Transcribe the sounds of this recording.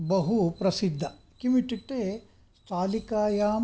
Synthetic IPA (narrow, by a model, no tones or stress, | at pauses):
bɐɦupɾɐsid̪ʱːɐ | kimiʈiʈːeː | st̪ʰaːlikaːjaːm